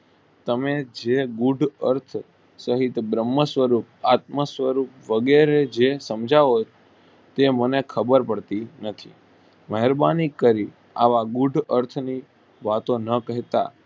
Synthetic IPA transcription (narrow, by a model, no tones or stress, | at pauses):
t̪əmed͡ʒeɡuɖʱəɾt̪ʰ | səɦit̪bɾəmːəsʋəɾup̚at̪məsʋəɾup̚ʋəɡeɾed͡ʒesəmd͡ʒaʋo | t̪emənekʰəbəɾpəɽt̪inət̪ʰḭ | məɦəɾbanikːəɾi | a̰ʋaɡuɖʱəɾt̪ʰni | ʋat̪onəkəɦt̪a̰